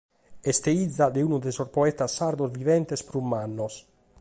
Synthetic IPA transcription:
ɛst̪eid̪zːad̪euːnud̪esoɾpɔɛt̪asːaɾd̪ozvivɛnt̪ɛspɾumːanːɔs

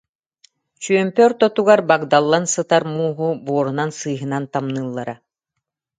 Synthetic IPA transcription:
t͡ɕyœmpœɾt̪ɔt̪uɡaɾbaɡd̪alˠːansɯt̪aɾmuːɦubuɔɾunansɯjɦɯnant̪amnɯːlˠːaɾa

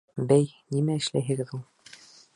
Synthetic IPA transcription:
bæjnimæɘ̆ʃlæ̰jɦɘ̆ɡɘðulˠ

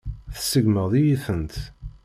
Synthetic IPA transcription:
θsəɡməʁðijiθənt̪

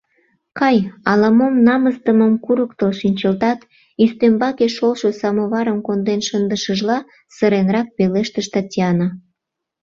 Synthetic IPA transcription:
kɑjɑlɑmomnɑməst̪əməmkuɾəkt̪olʃinʲt͡ɕəlt̪ɑt̪ | yst̪ømbɑkeʃolʃosɑmoβɑɾəmkond̪enʃənd̪əʃəʒlɑ | səɾenɾɑk̚peleʃt̪əʃt̪ɑtʲiɑnɑ

